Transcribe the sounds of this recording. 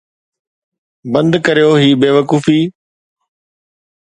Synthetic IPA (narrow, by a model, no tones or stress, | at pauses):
bə̃nd̪kəɾijoːɦiːbeːʋəkuːfiː